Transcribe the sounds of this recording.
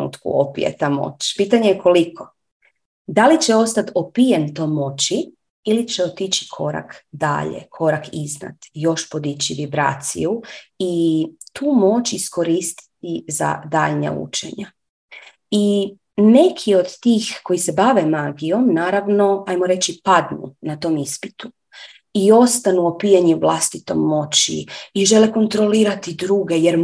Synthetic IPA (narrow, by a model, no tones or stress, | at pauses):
nṵːt̪kṵopḭjḛt̪amo̰t͡ɕpiːt̪aɲejeko̞likʰo̞ | d̪alit͡ɕeo̞st̪at̪opijent̪omo̞t͡ɕi | ilit͡ɕeot̪it͡ʃi̥kʰo̞ɾa̰kd̪a̰ʎḛkʰo̞ɾakizna̰t̪jo̞ʃpod̪it͡ɕiʋibɾa̰ːt̪sḭuit̪uːmo̞t͡ʃisko̞ɾiːst̪i̥t̪iza̰d̪a̰ːʎɲa̰ṵt͡ʃḛɲa | i | ne̞kʰio̞d̪t̪iːxko̞jise̞baʋemaɡijo̞mnaːɾaʋno̞ajmoɾe̞t͡ɕipad̪nṵnat̪o̞ːmispi̥t̪u | io̞st̪anuopijeɲivlˠast̪it̪o̞̰mːo̞t͡ɕḭiʒe̞leko̞nt̪ɾo̞liːɾat̪id̪ɾuːɡe̞jeɾ